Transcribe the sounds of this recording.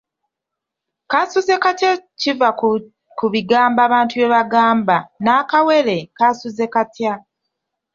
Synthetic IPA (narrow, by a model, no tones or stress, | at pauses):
kasuze̞katjaciva | kuβiɡaːmbaːβaːntuβe̞βaɡaːmbanaːkawe̞le̞kasuze̞katja